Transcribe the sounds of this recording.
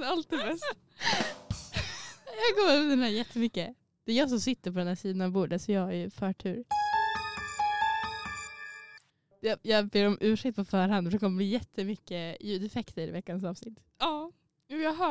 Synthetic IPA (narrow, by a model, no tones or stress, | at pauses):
alt̪̚ːɪbɛst̪ | jɑkɔməɾɵd̪ɛnæːɾjɛt̪ʰːəmʏkːə | d̪̥ɛːjɑːs̬ɔmsɪt̪ːəɾpʰɔd̪ɛnæːʂiːd̪anavbuːɖət̪sɔjɑːajfœːʈʰʉ̟ːɾ | jɑjɑːbeːɾɔmʔʉ̟ːʂɛk̚t̪̚pʰɔfœːɾhanfɾɛkɔmːəɪjɛt̪ʰːəmʏkːəjʉ̟ːd̪ɛfɛkt̪ʰəɾvɛkːansɑːvsnɪt̪ː | ɑː | ʉːjɑɦœ